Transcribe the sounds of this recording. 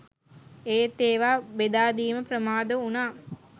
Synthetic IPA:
eːt̪ːeːʋaːbed̪aːd̪iːməpɾəmaːd̪əunaː

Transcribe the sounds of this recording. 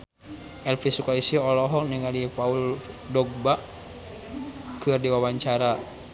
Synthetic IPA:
ʔɛlfisukaisiɔlɔɦɔniŋalipaul | dɔɡ̚baʔ | kɨrdiwawaɲt͡ʃaɾa

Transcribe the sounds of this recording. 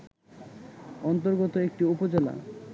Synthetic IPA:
ɔnt̪oɾɡot̪oek̚ʈiupod͡ʑela̰

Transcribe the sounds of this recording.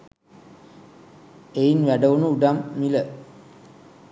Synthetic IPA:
einʋæɖəʋunuuɖamːilə

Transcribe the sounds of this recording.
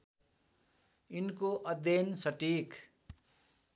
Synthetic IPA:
inkoʔʌd̪ensʌʈik

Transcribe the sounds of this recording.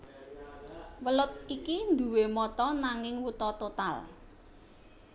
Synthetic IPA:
wəlʊt̪̚ikind̪ṳwemɔt̪ɔnaŋɪŋwut̪ɔt̪ot̪a̰l

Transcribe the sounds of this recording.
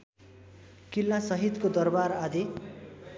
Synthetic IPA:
kilːasʌɦit̪kod̪ʌrbaɾad̪e

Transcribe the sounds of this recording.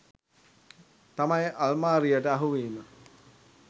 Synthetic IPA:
t̪amɐjʔɐlmaːɾijəʈəaɦuʋiːmə

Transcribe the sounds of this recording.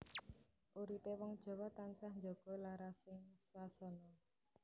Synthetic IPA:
ʔuɾipewɔŋd̥ʒ̥ɔ̤wɔt̪ansahnd͡ʒoɡ̥ɔ̤laɾasɪŋswasɔnɔ

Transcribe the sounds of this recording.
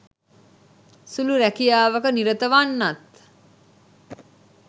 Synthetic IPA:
suluɾækijaːʋəkəniɾət̪əʋanːat̪

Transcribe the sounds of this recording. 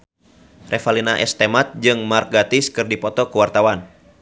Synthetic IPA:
rɛfalinaʔɛst̪ɛmat̪̚d͡ʒɨŋmar̚ɡat̪iskɨrdipɔt̪ɔkuwart̪awan

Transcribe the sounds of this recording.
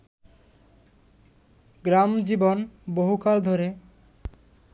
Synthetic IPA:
ɡɾamd͡ʑibonboɦukald̪ʱoɾe

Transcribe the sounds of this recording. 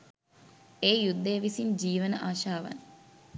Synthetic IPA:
eːjud̪ːejʋisiɲd͡ʒiːʋənəʔaːʃaːʋa̰n

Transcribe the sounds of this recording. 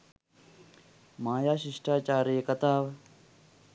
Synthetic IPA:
maːjaːʃiʂʈaːt͡ʃaːɾekɐt̪aːʋ

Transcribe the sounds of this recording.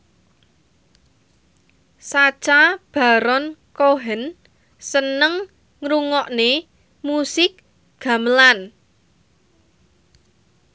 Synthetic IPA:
sat͡ʃab̥a̤ɾɔnkoɦən | sənəŋ | ŋɾuŋɔʔne | musɪk̚ | ɡ̥a̤məlan

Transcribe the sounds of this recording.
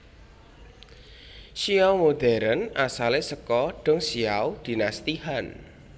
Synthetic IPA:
ʃiawmod̪̥ɛ̤ɾənasalesəkɔɖ̥ɔ̤ŋsiawd̪̥i̤nast̪ihan

